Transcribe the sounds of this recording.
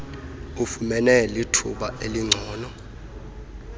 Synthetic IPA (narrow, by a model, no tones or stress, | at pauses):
ufumɛnɛlitʰṵɓaeliŋ͡ǀʱɔːnɔ